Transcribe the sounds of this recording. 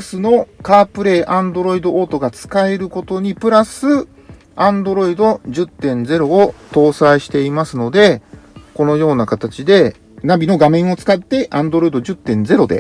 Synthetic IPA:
sɨno̞kaːpɯ̟ɾe̞ːʔãnd̪o̞ɾo̞id̪o̞ʔoːt̪o̞ɡat͡sɨ̥kae̞ɾɯ̟ko̞t̪o̞ɲ̟ipɯ̟ɾasɨ | ãnd̪o̞ɾo̞id̪o̞ʑɨt̪ːẽ̞nd͡ze̞ɾo̞ːt̪o̞ːsaiɕi̥t̪e̞imasɨno̞d̪e̞ko̞no̞jo̞ːnakat̪at͡ɕid̪e̞ | nabʲino̞ɡamẽ̞ɰ̃o̞t͡sɨ̥kat̪ːe̞ʔãnd̪o̞ɾo̞id̪o̞ʑɨt̪ːẽ̞nd͡ze̞ɾo̞d̪e̞̰

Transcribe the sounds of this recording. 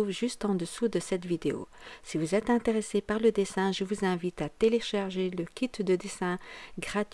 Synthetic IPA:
uvʒyst̪ɑ̃d̪əsud̪əsɛt̪vid̪eo̰sivuzɛt̪ɛ̃t̪eʁesepaʁləd̪esɛ̃ʒəvuzɛ̃vit̪at̪eleʃaʁʒeləkʲit̪d̪əd̪esɛ̃ɡʁat̪

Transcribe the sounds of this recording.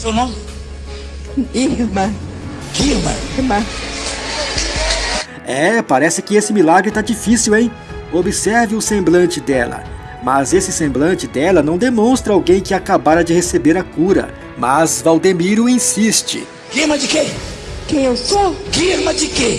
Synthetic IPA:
sewnõmɪ | iɾmɐ | ɡ̥iɾmɐ̰mɐ | ɛpaɾɛsɪkɪesɪmilaɡɾɪt̪ad͡ʒifisiwẽj̃ | obɪsɛɾvɪʊsẽmblɐ̃nt͡ʃɪd̪ɛlɐ̰ | mɐzesɪsẽmblɐ̃nt͡ʃɪd̪ɛlɐnɐ̃w̃d̪emõst̪ɾɐawɡẽj̃kɪakabaɾɐd͡ʒɪhesebeɾɐkuɾɐ̰ | mɐzvawd̪emiɾʊĩsist͡ʃɪ̰ | ɡ̥imɐd͡ʒɪkekẽj̃ewsoɡ̥iɾmɐd͡ʒɪke

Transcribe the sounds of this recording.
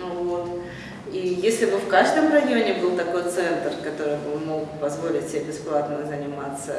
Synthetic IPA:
vot̪ | ijesʲlʲɪbɨfkaʐd̪əmrɐjo̞nʲɪbɨlˠt̪ɐko̞jt̪sɛnt̪rkɐt̪o̞ɾɨjbɨmo̞ɡpɐzvo̞lʲɪtʲsʲɪbʲebʲɪsplˠat̪nəzənʲɪmat̪sːə

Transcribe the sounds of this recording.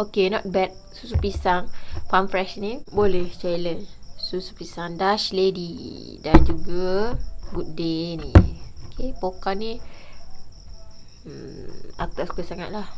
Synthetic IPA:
okenɔt̚bɛt̚susupisaŋfamfɾɛʃnibolɛht͡ʃajlənsusu̥pisaŋdaʃledidand͡ʒuɡaɡut̚denḭokʰepokani | at̪askəsaŋaʔ̚lah

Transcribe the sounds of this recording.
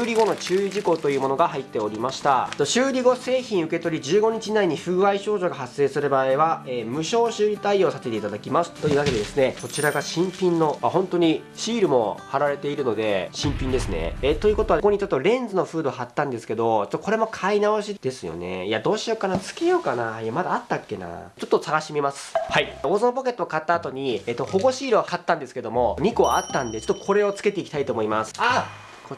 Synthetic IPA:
ɾʲiɡo̞no̞t͡ɕɨːiʑiko̞t̪o̞jɯːmo̞noɡaɦait̪ːe̞o̞ɾʲimaɕi̥t̪at̪ːoɕɨːɾʲiɡo̞se̞ːçĩɰ̃ɯ̟ke̞t̪o̞ɾʲid͡ʑɨːɡo̞ɲ̟it͡ɕinaiɲ̟iɸɯ̟ɯβaiɕo̞ːʑo̞ɡaɦase̞ːsɨɾɯ̟baːiβaeːmɯ̟ɕo̞ːɕɨːɾʲit̪aio̞ːsat̪et̪e̞it̪ad̪akʲimasɨ̥t̪ːo̞jɯ̟ːβaked̪e̞d̪e̞sɨne̞ko̞t͡ɕiɾaɡaɕĩmpʲĩnːo̞aɦõ̞nt̪o̞ɲ̟i | ɕiːɾɯ̟mo̞̰haɾaɾe̞t̪e̞iɾɯ̟no̞d̪e̞ɕĩmpʲĩnd̪e̞sɨne̞̰et̪ojɯ̟ko̞t̪o̞ako̞ɲ̟it͡ɕot̪ːo̞ɾẽ̞nd͡zɨno̞ɸɯ̟ːd̪o̞ɦat̪ːãnd̪e̞sɨ̥ke̞d̪o̞t͡ɕo̥t̪ːoko̞ɾe̞mo̞kʰainaoɕid̪̥e̞sɨjo̰ne̞̰iad̪o̞ːɕio̞kanat͡sɨ̥kejo̞ːkanaiamad̪aːt̪ːakːe̞na̰t͡ɕo̞t̪ːo̞saɡaɕimʲimasɨ̥haio̞ːzõmp̬oke̞t̪ːoːkat̪ːaːt̪o̞ɲ̟iet̪ːo̞ho̞ɡo̞ɕiːɾɯ̟akat̪ːãnd̪e̞sɨ̥ke̞d̪o̞mo̞ɲ̟iko̞at̪ːãnd̪e̞t͡ɕo̥t̪ːokʰo̞ɾe̞o̞t͡sɨ̥ke̞t̪e̞ikʲit̪ait̪o̞ːmo̞imasɨ̥a | ko

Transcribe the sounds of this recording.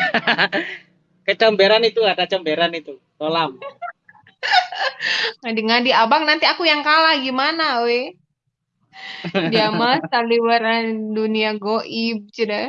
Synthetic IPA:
kət͡ʃəmbeɾanit̪uadat͡ʃəmbeɾanit̪u | tolam | ŋadiŋadiabaŋnant̪iakujaŋkalahɡimanawe | diamasaliwaraduniaɡoʔib̚t͡ʃuda

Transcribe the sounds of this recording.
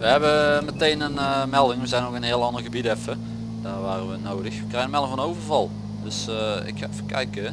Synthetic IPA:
ʋəɦɛbəmətejnənmɛlˠdɪŋʋəzɛjnokənɦɪəlˠɑndərɣəbidɛfə | daːʋaːrəʋənoːdəxʋəkrɛjɣəmɛlˠɪŋvɔnəowvərvɑlˠ | dɵsɪ̰kxaɛfəkɛjkə

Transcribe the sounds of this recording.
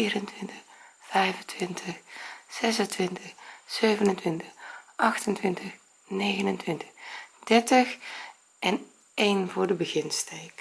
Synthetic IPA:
iːrəntʋɪntəxfɛjvəntʰʋɪntʰəxsɛs̬əntʋɪntəxsøɥvənəntʋɪntəxʔɑxtəntʋɪntʰəx | neːɣənəntʋɪntə̥xd̥ɛɹtəx | ʔɛn | ejnvʊːrdəbəɣɪnstʰejk

